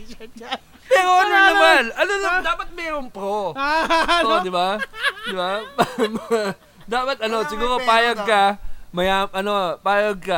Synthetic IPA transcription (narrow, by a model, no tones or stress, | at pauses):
mɛːɾoɐnonɐmanɐnonɐmd̪aːpɐt̪̚mɛːɾoŋpɾo | d̪ɪbad̪ɪbapm | d̪aːpɐt̪̚ɐno̞sɪɡuːɾopaːjɐɡ̚kɐmɐjaʔɐno̞paːjɐɡ̚kɐ